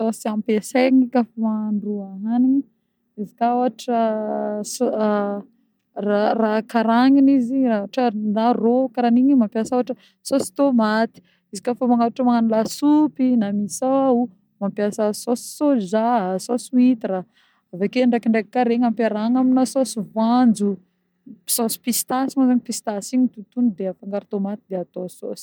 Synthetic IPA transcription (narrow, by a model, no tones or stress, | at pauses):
sosiampeseŋikafomaaɳɖ͡ʐuaɦanini | izi̥kaaʈ͡ʂəso | rarakaɾaŋiniziraaʈ͡ʂənarokaɾaniɲimampjasawaʈ͡ʂə | sosi̥t̪omat̪i̥ | izikafomaŋauʈ͡ʂəmaŋanulasupinamisawau | mampjasəsosi̥sozasosuit̪ira | avekeaɳɖ͡ʐakiɳɖ͡ʐekikaɾeŋampaɾaŋaminasosivand͡zu̥ | sosi̥pist̪asimazaɲipist̪asiɲit̪ut̪unid̪eafaŋɡaɾit̪omat̪id̪eat̪oso̰si̥